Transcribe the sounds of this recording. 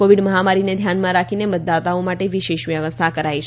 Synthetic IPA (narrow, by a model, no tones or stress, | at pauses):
oʋiɖməɦamaɾined̪ʱjanmãɾakʰinemət̪̚d̪at̪aõmaʈeʋiʃeʃʋjəʋəst̪ʰakəɾait͡ʃʰ